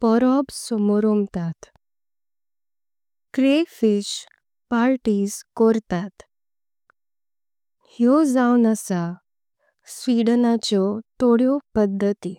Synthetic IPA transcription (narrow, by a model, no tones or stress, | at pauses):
pɔɾɔbsɔmɔɾomt̪at̪ | kɾefiɕ | paɾʈiːskɔɾt̪at̪ | hjɔd͡zawnəsa | sʋiɽnat͡ɕɔt̪oɽjɔpəd̪ʱːət̪i